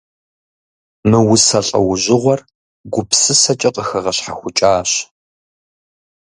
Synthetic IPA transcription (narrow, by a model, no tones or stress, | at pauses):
mɨwʊsɐɬʼɐ̰wʊʑɪʁʷɔr | ɡʷʊpsɨsɐt͡ʃʼɐqʼəxɐʁɐɕħaxʷʊt͡ʃʼaːɕ